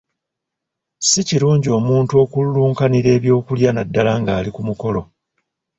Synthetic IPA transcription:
siciɾuːɲɟio̞ːmuːntuo̞ːkulːuːŋkaniɾe̞ːβjo̞ːkuljanadːalaŋɡaːlikumuko̞lo̞

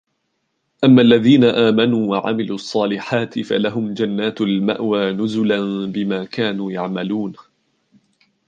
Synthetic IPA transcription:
ʔamːaːʔlːaðiːnaʔaːmanuːwaʕa̰mɪluːɑsˤːɑːlɪħaːt̪ɪfa̰laɦʊmd͡ʒanːaːt̪lma̰ʔwaːnʊzʊlanbɪmaːkaːnuːjaʕmaluːn

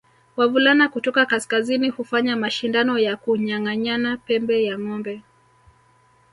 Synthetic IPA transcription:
wavulanakutɔkakaskazinihufaɲamaʃindanɔjakuɲaŋaɲanapɛmbɛjaŋɔmbɛ

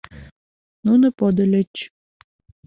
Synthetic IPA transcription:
nunopod̪əlʲət͡ɕ

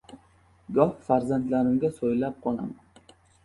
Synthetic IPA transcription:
ɡɒhfaɾzant̪laɾɪmɡʲasojlap̚qʰɒlˠa̰man

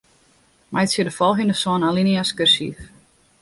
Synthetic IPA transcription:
majtsiədəfɔlˠɦindəsɔnaliniaskørsḭf

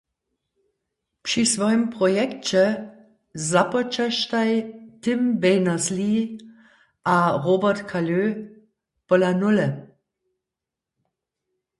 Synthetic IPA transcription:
pʂisʋɔjəmpʁɔjɛkt͡ɕɛ | zapɔt͡ʃaʃt̪ajtɪmbɛjnasli | ʔaʁoːbɐt̪kʰaløː | pɔlanʊlɛ

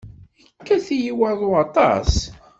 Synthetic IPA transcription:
kːæθijiwəɾˤðˤoɑt̪ˤɑ̰s

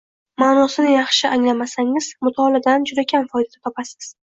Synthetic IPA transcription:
maːnɒsɪnɪjɑχʃɪʔaŋlamasaŋɪzmʊt̪ʰɒlad̪and͡ʒʊɾakʲʰanfɒjd̪ad̪at̪ʰɒpʰasɪ̥z̥

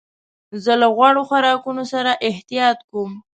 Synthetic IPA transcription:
zəlaɣwaɽoxaɾɑkunosaɾaʔɪht̪ijɑt̪kum

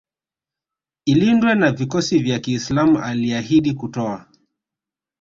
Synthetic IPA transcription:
ilindwɛnavikɔsivjakiːslamuʔaliahiɗikutɔa

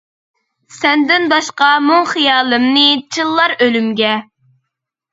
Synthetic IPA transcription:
sɛnd̪ɪnbɑʃqɑmuŋχijɑːlˠɨmnɨt͡ʃʰɨlˠːɑɾølymɡʲɛ

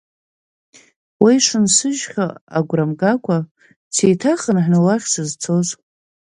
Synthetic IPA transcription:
wijʂɨnsɨʒχʲaaɡʷramɡakʷʰa | t͡sʰejtʰaχənħnɨlaχʲsɨzt͡sʰo̞z

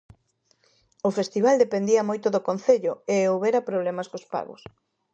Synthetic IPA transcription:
ʊfest̪iβald̪epend̪iɐmojt̪ʊðokonθeʎʊeowβeɾɐpɾoβ̞lemɐskospa̰ɣʊ̰s

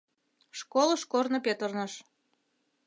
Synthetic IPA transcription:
ʃkoləʃkornɤpet̪ərnəʃ

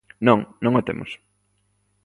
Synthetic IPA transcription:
nõŋnõŋot̪ḛmʊ̰s

